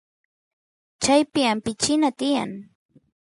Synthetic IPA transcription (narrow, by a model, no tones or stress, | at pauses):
t͡ʃajpɪampɪt͡ʃɪnat̪ɪja̰ŋ